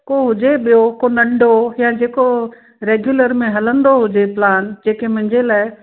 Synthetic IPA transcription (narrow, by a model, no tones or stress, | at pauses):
koɦʊd͡ʑeɓijokonɐ̃ɳɖʱojãːd͡ʑeːko | ɾeːɡjuləɾmẽɦɐlə̃nd̪oɦʊd͡ʑeplaːnd͡ʑeːkemʊ̃ɦɪ̃ɲd͡ʑelaːɪ